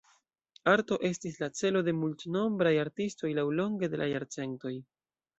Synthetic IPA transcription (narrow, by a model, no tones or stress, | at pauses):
aɾto̞ʔe̞stislat͡se̞lo̞de̞multno̞mbɾajaɾtisto̞jlawlo̞ŋɡe̞de̞lʔajaɾt͡se̞nto̞j